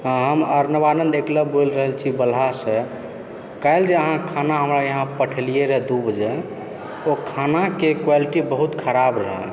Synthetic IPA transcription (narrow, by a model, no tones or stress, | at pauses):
ɦəməɾnəbanənd̪ekləbolɾəɦəlt͡ʃʰibəlɦase | kaɪld͡ʒeəɦãkʰanaɦəmɾajəɦãpəʈʰelijeɾəɦɛd̪ubəd͡ʒe | okʰanakekwaliʈibəɦut̪kʰəɾabɾəɦɛ̰